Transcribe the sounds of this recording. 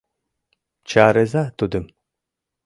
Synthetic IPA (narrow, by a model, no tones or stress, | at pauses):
t͡ʃʰaːɾezat̪ud̪ɯm